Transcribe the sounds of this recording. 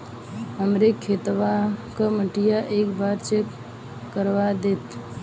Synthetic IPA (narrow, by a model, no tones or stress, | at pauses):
ɦəmɾekʰːet̪ʋakəməʈijaʔekbaɾt͡ʃekː | əɾʋad̪et̪